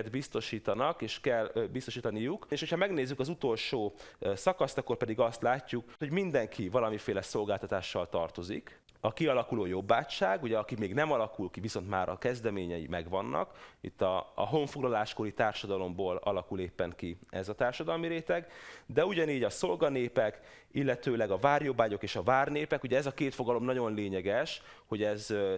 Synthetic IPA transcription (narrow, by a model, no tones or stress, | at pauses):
d̪bist̪o̞ʃiːt̪ɒnɒkeːʃkɛlbist̪o̞ʃiːt̪ɒnijukeːʃho̞cʰhɒmɛɡneːzːykɒzut̪o̞lʃoːsɒkɒst̪ɒkːo̞rpɛd̪iɡɒst̪laːcːukho̞ɟmind̪ɛŋkʰivɒlɒmifeːlɛso̞lɡaːlt̪ɒt̪aːʃːɒlt̪ɒrt̪o̞zḭk | ɒkiɒlɒkuloːjo̞bːaːtʃaːɡuɟɛɒkimeːɡnɛmɒlɒkulkiviso̞nt̪ma̰ːɾɒ̰kɛzd̪ɛmeːɲɛjḭmɛɡʋɒnːʔɒ̰kḭt̪ːɒ̰ːɦo̞ɱfoɡlɒlaːʃko̞ɾit̪aːrʃɒd̪ɒlo̞mboːlɒ̰lɒkuleːpːɛŋkiɛzɒt̪aːrʃɒd̪ɒlmiɾeːt̪ɛɡd̪ɛuɟɒniːɟɒso̞lɡɒneːpɛk | ilːɛt̪øːlɛɡɒvaːrjo̞bːaːɟo̞keːʃɒvaːrneːpɛkuɟɛɛzɒkeːt̪fo̞ɡɒlo̞mnɒɟo̞nleːɲɛɡɛʃ | ho̞ɟɛz